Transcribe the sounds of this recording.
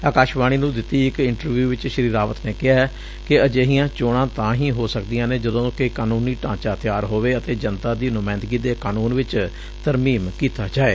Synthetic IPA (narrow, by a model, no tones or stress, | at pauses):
aːkaːʃbaːɽ̃iːnũːd̪ɪt̪ːiːɪkɪɳʈəɾʋjuːʋɪt͡ʃʃəɾiːɾaːʋət̪neːkɪɦaː | kɪəd͡ʒeːɦijãːt͡ʃoːɽ̃ãːt̪ãːɦĩːɦoːsəkd̪ijãːneːd͡ʒəd̪õːkɪkaːnũːniːʈãːt͡ʃaːt̪ɪjaːɾɦoːʋeːət̪eːd͡ʒənt̪ãːd̪iːnʊmãːɪnd̪ɡiːd̪eːkaːnuːnʋɪt͡ʃ | t̪əɾmiːmkiːt̪aːd͡ʒaːeː